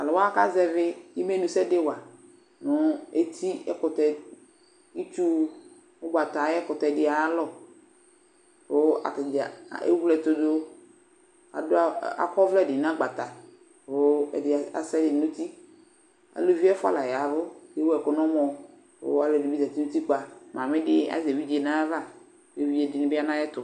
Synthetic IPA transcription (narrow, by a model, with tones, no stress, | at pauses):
a˨lɔ˨wa˦ka˦zɛ˦vɪ˦ji˦me˦nũ˨sɛ˦de˦wa˨ | nʊ̃˨˦e˦t̪ʰi˦ɛ̰˦kʊ˨t̪ɛ˨ | i˦t͡ʃu˦ | o˦ɡ͡ba˨t̪a˨jɛ˦kɔ˨t̪ɛ˨dɪ˨a˨ja˦lɔ˦ | wo˦a̰˨dḛ˦wu˦lɛ˨t̪o˨d̪o˦ | a̰˨dʊ˦a˦a̰˨kɔ˦vlɛ˦˨dɪ˨nã˦ɡ͡ba˨t̪a˨ | wo˦˨ɪ˨a̰˨sɛ˦lɪ˨˦nũ˦t̪i˦ | a̰˨lo˦vi˦ɛ˦fa̰˦˨la˨ja˨vʊ˦ke˦wo˦ɛ˨kɔ˨nɔ̃˦mɔ̃˨ | wo̰˦a˦lo˨di˨bi˦za˨t̪i˦nu˦t̪i˦k͡pa˨mã˨mẽ˦ɖɪ˦a̰˨ze˨vi˦d͡ʒe˨nã˦va˦˨ | de˦vi˦ɛ˨dɪ˨nɪ̃˨˦bɪ˦a˦nã˦jɛ˦t̪ʊ˨